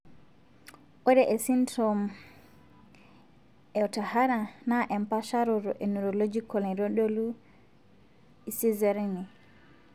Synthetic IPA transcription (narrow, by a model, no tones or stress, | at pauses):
ʔɔɾɛʔɛsintɔm | ɛɔtahaɾanaʔɛmpaʃaɾɔɾɔʔɛnuɾɔlɔd͡ʒikɔlɛɾɔɗolu | isizɛɾɛnɛ